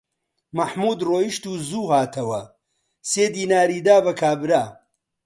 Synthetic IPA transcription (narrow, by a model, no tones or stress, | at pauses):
mɐħmuːd̪roːjiʃt̪uːzuːɦaːt̪ʰɐwɐ | seːd̪iːnaːɾiːd̪aːbɐkʰaːbɾaː